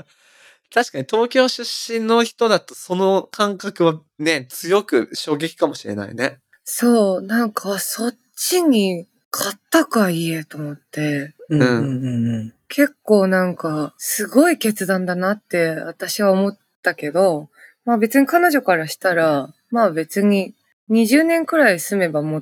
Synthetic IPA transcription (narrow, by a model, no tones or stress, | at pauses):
t̪aɕi̥kaɲ̟it̪o̞ːkʲo̞ːɕɨɕːĩnːo̞çi̥t̪o̞d̪at̪oso̞no̞kʰãŋkakɯ̟βa | ne̞t͡sɨjo̞kɯ̟ɕo̞ːɡe̞kʲi̥kamo̞ɕiɾe̞̰na̰ḭne̞ | so̞ːnãŋkʰaso̞ | t͡ɕːiɲ̟i | kʰat̪ːakaie̞t̪o̞mo̞t̪ːe̞ɯ̃ | kʰe̞kːo̞ːnãŋkasɨɡo̞ike̞t͡sɨd̪ãnd̪anat̪ːe̞βat̪aɕiβaomo̞t̪ːake̞d̪o̞maːbe̞t͡sɨɲ̟ikano̞ʑo̞kaɾaɕi̥t̪aɾa | mabe̞t͡sɨɲ̟i | ɲ̟iʑɨːnẽ̞ŋkɯ̟ɾaisɨme̞bamo